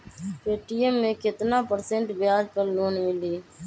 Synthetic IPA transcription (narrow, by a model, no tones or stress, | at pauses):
peːʈiːemːẽːkɪt̪naːpəɾsẽɳʈbɪjaːd͡ʒpəɾloːnmɪliː